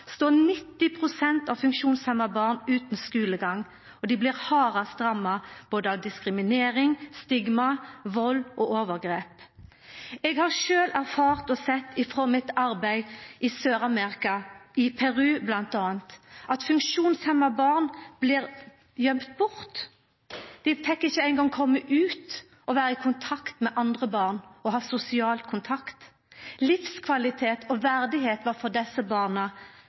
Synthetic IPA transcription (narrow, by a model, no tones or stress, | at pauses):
st̪oːnɪt̪ːɪpʰʁʊsɛnt̪ɑfʉŋkʃuːnshɛmɑbɑːʁnʉːt̪n̩skʉːləɡɑŋː | ɔd̪ɪblɪːʁhɑːʁɑst̪ʁɑmːɑb̥oːd̪əɑʋd̪ɪskʁɪmɪneːɾɪŋst̪ɪɡmɑʋɔlːʔɔʔoːʋəʁɡʁeːp | ɛɡhɑʁʃøːlæʁfɑːʁt̪ɔsɛt̪ːɪfʁoːmɪt̪ɑɾbæɪʔɪsøːɾɑmeʁɪkɑʔɪpʰæʁʉːblɑnt̪ɑːənt̪ʔɑt̪fʉŋkʃuːnshɛmːɑbɑːʁnb̥liːʁ | jœmpt̪̚bʊʁt̪ | d̪̥ɛfɛkːɪçːəæɪŋɡɑŋkʰɔmːəʔʉːt̪ | ʔɔʋæːʁəɪkʰʊnt̪ʰɑkt̪mɛʔɑnd̪ʁəbɑːʁnɔɦɑːsʊsɪɑːlkʰʊnt̪ʰɑkt̪ | lɪfskʰʋɑlɪt̪ʰeːt̪ʰɔʋæʁd̪ɪheːt̪ʋɑʁfɔʁd̪ɛsːəbɑːʁnə